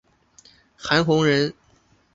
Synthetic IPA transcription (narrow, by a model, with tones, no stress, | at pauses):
xa˧˥nxʊ˧˥ŋɻə˧˥n